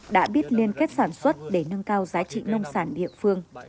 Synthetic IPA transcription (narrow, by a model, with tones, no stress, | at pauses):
ɗa̰ː˧˥ɓi˦˥ət̚li˧ənke˦˥t̚saː˧˩nswə˦˥t̚ɗe˧˩nə˧ŋkaː˧wzaː˨˦jt͡ɕḭ˧˨nə˧wŋ͡msaː˧˩nɗḭ˧˨ənfɨ˧əŋ